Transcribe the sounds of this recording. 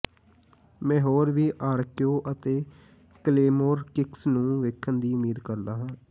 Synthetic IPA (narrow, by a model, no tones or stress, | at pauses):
mɛ̃ːɦoːɾʋiːʔaːɾkjoːʔət̪eː | kleːmoːɾkɪksnũːʋɪkʰːənd̪iːʊmiːd̪kəɾd̪aːɦãː